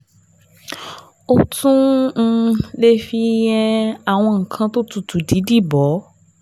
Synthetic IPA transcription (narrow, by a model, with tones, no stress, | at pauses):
o˦tũ˦˧ | le˦fi˦jɛ˦˧a˨w̃ɔ̃˧ŋ̩˨kʰã˧to˦tu˧tu˨di˨˦di˦˨bɔ˨˦